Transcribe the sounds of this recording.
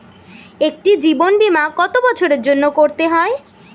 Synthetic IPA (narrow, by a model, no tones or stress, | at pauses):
ek̚ʈid͡ʑibonbimakɔt̪obɔt͡ɕʰoɾeɾd͡ʑonːokoɾt̪eɦɔe